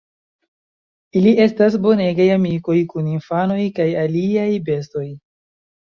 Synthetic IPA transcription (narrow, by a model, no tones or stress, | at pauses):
ilie̞stas̬bo̞ne̞ɡajamiko̞jkuninfano̞jkajaliajbe̞sto̞j